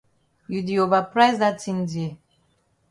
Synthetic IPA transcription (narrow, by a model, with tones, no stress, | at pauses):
ju˨di˨ova˨pɾa˦jzda˦tĩ˦ndi˨e˨